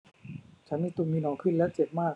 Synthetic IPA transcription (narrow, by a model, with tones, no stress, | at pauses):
t͡ɕʰa˦˥nmiː˧t̪u˧nmiː˧nɔː˩˦ŋkʰɯ˥˩nlɛː˦˥wt͡ɕe˨˩p̚maː˥˩k̚